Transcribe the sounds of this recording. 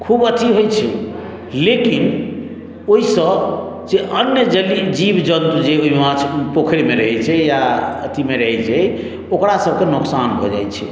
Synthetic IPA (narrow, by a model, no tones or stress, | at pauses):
kʰubət̪ʰiɦojt͡ʃʰɛ | lekin | oɦisə | d͡ʒeʔənjəd͡ʒəlid͡ʒibd͡ʒənt̪ud͡ʒeoɦiɦãt͡ʃʰpokʰɾimeɾəɦɛt͡ʃʰɛjaət̪ʰimeɾəɦɛt͡ʃʰɛ | okɾasəb̚ʱkenuksanbʱɔ̰d͡ʒa̰jt͡ʃʰɛ̰